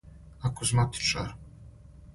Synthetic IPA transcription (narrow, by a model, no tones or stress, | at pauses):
akʰɔzmat̪ʰi̥t͡ʃʼaɾ